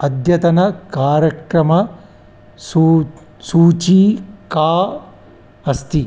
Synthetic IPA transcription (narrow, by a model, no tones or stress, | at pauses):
ɐd̪ʱjɐt̪ɐnɐkaːɾjɐkɾɐmɐ | su | suːt͡ʃiːkaː | ɐst̪i